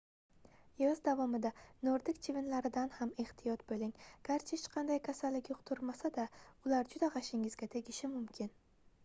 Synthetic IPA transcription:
jɒzd̪avɒmɪd̪anoɾd̪ɪkʲt͡ʃʰɪvɪnlaɾɪd̪anhameht̪ʰɪjɒt̪̚bolɪŋɡ̥ʲaɾt͡ʃʰɪɪt͡ʃqʰɑnd̪ajkʲʰasalːɪkʲjoqt̪ʰʊɾmasad̪aʊlaɾd͡ʒʊd̪aʁɑʃɪŋɪzɡʲat̪ʰe̞ɡʲɪʃɪmʊmkʲʰɪn

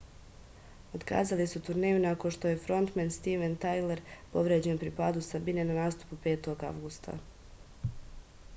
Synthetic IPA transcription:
o̞d̪ka̰ːzalisut̪uɾne̞ːjunakonʃt̪o̞je̞fɾo̞nt̪menst̪iʋent̪ajleɾpo̞ʋɾed͡ʑe̞npɾipaːd̪usabine̞nanaːst̪u̥pupe̞ːt̪o̞ɡa̰ʋɡust̪ʰa̰

